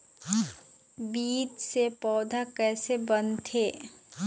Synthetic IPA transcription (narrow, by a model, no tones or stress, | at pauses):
biːt͡ʃsepɔːd̪ʱakɛːsebənt̪ʰeː